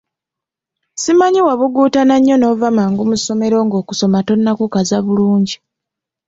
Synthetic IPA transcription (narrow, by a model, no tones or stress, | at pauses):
simaɲiwaβuɡuːtanaɲːo̞no̞ːvamaːŋɡumuso̞me̞ɾo̞ːŋɡo̞ːku̥so̞mato̞nːakukazaβuluːɲɟi